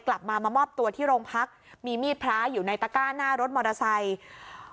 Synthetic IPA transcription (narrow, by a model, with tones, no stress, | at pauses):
kla˨˩p̚maː˧maː˧mɔː˥˩p̚t̪u˧ɐt̪ʰiː˥˩ɾoː˧ŋpʰa˦˥k̚ | miː˧miː˥˩t̪̚pʰɾaː˦˥juː˨˩na˧jt̪aː˧kaː˥˩nːaː˥˩ɾo˦˥t̪̚mɔː˧ɾa˧sa˧j